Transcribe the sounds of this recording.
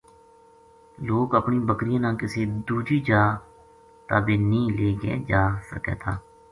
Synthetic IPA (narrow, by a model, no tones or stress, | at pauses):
loːkəpniːbəkɾijãːnãːkɪseːd̪uːd͡ʒiːd͡ʒaː | t̪aːbeːnĩːleːɡḛːd͡ʒaːsə̰kɛ̰ːt̪ʰaː